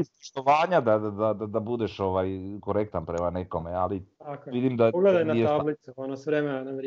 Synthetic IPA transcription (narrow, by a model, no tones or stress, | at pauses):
ispoʃt̪o̞ʋaːɲad̪ad̪ad̪ad̪ad̪abud̪eʃo̞ʋajkoɾekt̪anpɾemaneko̞mealit̪akkoʋid̪imd̪aoɡled̪ajnateablit̪suonosʋɾemenanaʋɾ